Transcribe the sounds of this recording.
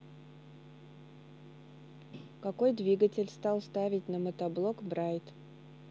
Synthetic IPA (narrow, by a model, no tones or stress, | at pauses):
kɐko̞jd̪vʲiɡətʲɪlʲst̪ɑlˠst̪avʲɪtʲnəmət̪ɐblˠokbɾajt̪